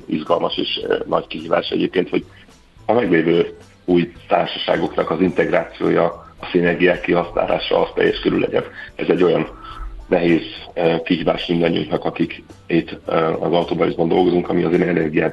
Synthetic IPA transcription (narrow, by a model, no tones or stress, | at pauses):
ḭʒɡɒlmɒʃḛːʃnɒ̰ckiɦiːva̰ːʃɛ̰ɟeːp̚keːnt̪ho̞ɟ | ɒmɛɡleːvøː | uːjt̪a̰ːrʃɒʃa̰ːɡo̞knɒkɒzint̪ɛɡraːt̪sijo̰ːjɒːsinɛrɡijaːkːiɦɒsna̰ːla̰ːʃɒ̰ɒst̪ɛ̰jːɛʃkøɾylɛ̰ɟɛ̰nɛzɛɟːo̞jɒnnɛɦeːzkiɦiːvaːʃmind̪ɒɲːiṵŋnɒkɒkik | it̪ːɒzɒwt̪oːbɒlizbɒnd̪o̞lɡo̞zuŋkɒmiɒzɛnɛɛnɛrɡijaːt̪